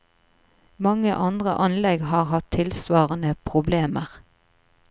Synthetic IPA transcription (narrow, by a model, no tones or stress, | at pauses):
mɑŋəʔɑnd̪ʁə̰ʔɑnlɛɡhɑːʁhɑt̪ʰɪlsʋɑːʁənəpʰʁʊbleːməʁ